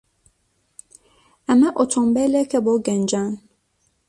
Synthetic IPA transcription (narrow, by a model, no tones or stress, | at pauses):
amɛʔotʰɔ̃mbɛlɛkɛbɔɡɛnd͡ʒan